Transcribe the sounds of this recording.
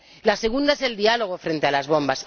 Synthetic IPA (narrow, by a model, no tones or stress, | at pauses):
lase̞ɣ̞und̪aese̞ld̪ialo̞ɣ̞o̞fɾe̞nt̪ealazβ̞o̞mbas